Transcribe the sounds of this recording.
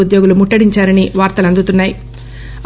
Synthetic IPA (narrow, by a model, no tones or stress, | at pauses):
ud̪joːɡulumuʈːɐɽiɲt͡ʃaːɾɐniʋaːɾt̪ɐlɐnd̪ut̪unːaːji